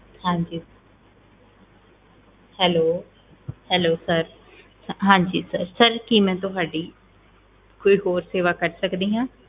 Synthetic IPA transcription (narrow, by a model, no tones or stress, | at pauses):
hãːɲd͡ʒiː | hɛːloː | hɛːloːsəɾ | ɦãːɲd͡ʒḭːsəɾsəɾkimɛ̃ːt̪ʊɦaːɖiː | koːiːɦoːɾseːʋaːkəɾsəkd̪iːɦãː